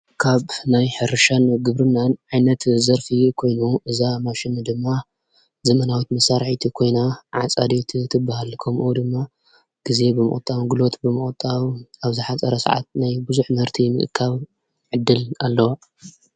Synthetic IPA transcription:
kʰaβnajħɨɾɨʃanɡɨβɾɨnːanʕajnɐt̪zɐɾfikʰo̞jnuʔɨzamaʃɪnd̪ɨmːa | zɐmɐnawit̪mɐsaɾħit̪ʰikʰo̞jnaʕat͡sʼad̪et̪ʰt̪ʰɨbːahalkʰɐmʔud̪ɨmːa | ɡ̥ize̞bɨmɨ̰χʼt̪ʼːawɡɨlo̞t̪bɨmɨχʼt̪ʼːawaβzɨħat͡sʼɐɾɐsa̰ʕa̰t̪̚najbɨzuħmɐɾt̪ʰimɨ̰ʔɨ̰kʰːaβ | ʕɨd̪ːɨlalːɐwa

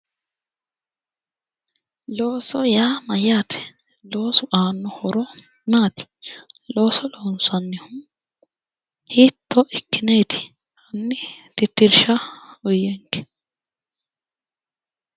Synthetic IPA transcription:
lo̞ːsɔjaːmɐjaːt̪ʰɛ̥ | lo̞ːsʊʔaːnːɔhɔɾɔ | maːt̪ɪ̥lo̞ːsɔloːnsɐnːɪhʊm | hiːt̪ːɔʔɛkːɪneːt̪ɪ̥ | hɐnːɪt̪ɪt̪ːɪɾʃɐɔjːɛŋkɛ̥

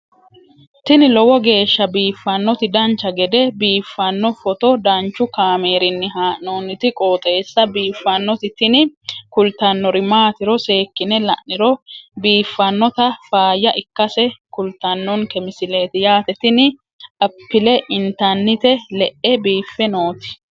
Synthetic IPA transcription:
t̪ɪnɪlɔwɔɡe̞ːʃːɐbiːfːɐnːɔt̪ɪd̪ɐnt͡ʃːɐɡɛd̪ɛbiːfːɐnːɔfɔt̪ɔd̪ɐnt͡ʃːʊkaːme̞ːɾɪnːɪɦaːnoːnɪt̪ɪkʼoːt̪ʼe̞ːsːɐbiːfːɐnːɔt̪ɪt̪ɪnɪkʊlt̪ɐnːɔɾɪmaːt̪ɪɾɔse̞ːkːɪnɛlɐ̰ʔnɪɾɔbiːfːɐnːɔt̪ɐfaːjɐʔɪkːɐsɛkʊlt̪ːɐnːɔnkɛmɪsɪle̞ːt̪ɪjaːt̪ɛt̪ɪnɪ | ɐpːɪlɛʔɪnt̪ɐnːɪt̪ɛlɛʔɛbiːfːɛnoːt̪ɪ̥

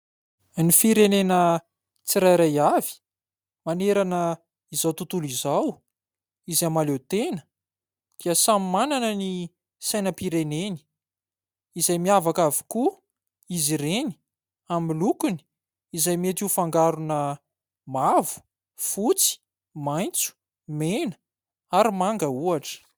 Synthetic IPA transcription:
nifiɾenenə | t͡siɾajɾajavi̥ | maneɾanə | izawt̪ut̪ulizaw | izamalewt̪enə̥ | d̪̥iəsamimananəni | sajnəpiɾeneni̥ | izajmiavakavi̥ku | iziɾeni̥ | amilukuni̥ | izajmiet̪ifaŋɡaɾunə | mavu̥ | fut͡si̥ | majnt͡su̥ | menə̥ | aɾimaŋɡəuaʈ͡ʂə̥

